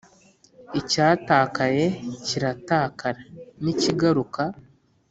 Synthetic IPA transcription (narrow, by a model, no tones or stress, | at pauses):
icaːtaːkaje̞ciɾataːkaɾaniciɡaɾuka